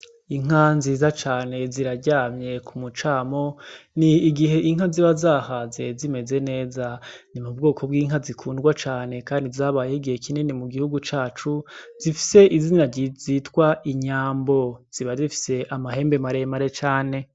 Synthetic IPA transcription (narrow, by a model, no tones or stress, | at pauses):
iŋ̥anziːzat͡ʃaːne̞ziɾaɟaːmɲe̞kʰumut͡ʃaːmo̞niːɡiɦe̞ʔiŋɦaziβazaːhazezime̞ze̞ne̞ːzanimub̚ɡo̞ːkʰo̞bɡiːŋɦazikʰuːndɡwat͡ʃaːne̞kaːndizaːβaːjeiɡihekʰinenimuɡihuɡut͡ʃaːt͡ʃuz̥ifi̥se̞ʔizinaɟizitkwaʔiɲaːmbo̞z̥iβazifi̥se̞ʔamahe̞ːmbe̞maɾemaɾe̞t͡ʃaːne̞